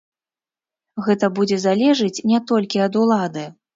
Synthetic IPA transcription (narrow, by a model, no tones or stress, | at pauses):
ɣɛt̪ɐbud͡zʲɛzalʲɛʐɨt͡sʲnʲɛt̪ɔlʲkʲiɐd̪ulˠad̪ɨ